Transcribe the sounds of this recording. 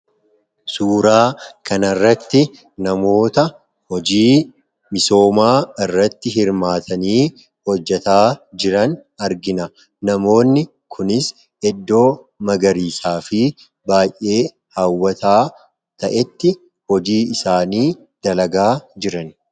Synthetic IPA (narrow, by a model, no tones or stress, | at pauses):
suːɾaːkɐnɐrːɐt̪ːɪ | nɐmo̞ːt̪ɐ | hɔd͡ʒiː | mɪso̞ːmaːɪrːɐt̪ːɪɦɪɾmaːt̪ʰɐniː | hɔd͡ʒːɛt̪aːd͡ʒɪɾɐnɐɾɡɪnɐ | nɐmo̞ːnːɪ | kʰʊnɪs | ɛd̪ːo̞ː | mɐɡɐɾiːsaːfɪ | baːjʔe̞ː | haːwːɐt̪aː | t̪ɐʔɛt̪ːɪ | hɔd͡ʒiːɪsaːniː | d̪̥ɐlɐɡaːd͡ʒɪɾɐn